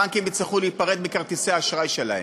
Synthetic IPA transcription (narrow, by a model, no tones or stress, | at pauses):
ankimit͡sleχuleit̪̚paʁed̪mikaʁt̪iseaːʃʁajʃelahe